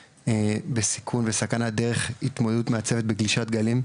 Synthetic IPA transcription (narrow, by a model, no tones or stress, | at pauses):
besi̥kʰunvesakanad̪e̞ʁe̞χit̪mod̪ed̪utmeat͡se̞ve̞t̪̚beɡliʃat̪ɡalim